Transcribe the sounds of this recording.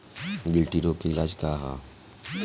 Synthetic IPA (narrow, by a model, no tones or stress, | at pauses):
ɡɪlʈiɾoːkeɪlaːd͡ʒkaɦa̰ː